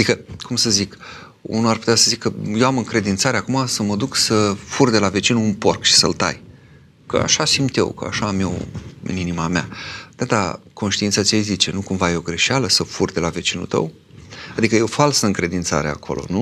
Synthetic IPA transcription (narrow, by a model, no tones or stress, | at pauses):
d̪ikəkumsəzik | ṵnuarpu̥t̪easəzikːəje̞wamɨŋkɾe̞d̪int̪saɾeakumasəməd̪uksəfurd̪elave̞t͡ʃinuːnpo̞rkʃi̥sə̰lt̪a̰j | kə̰a̰ʃasimt̪je̞̰wkə̰a̰ʃaːmjḛwɨ̰ninimamea̰d̪̥ad̪a̰ko̞nʃt̪iint̪sat̪ijejzit͡ʃe̞nukumvajeo̞ɡɾe̞ʃealəsəfurd̪e̞lave̞t͡ʃinṵlt̪ə̰w | ad̪ikəjeofalsəɨŋkɾe̞d̪int̪sa̰ɾea̰kʰo̞̰lʔo̞̰nu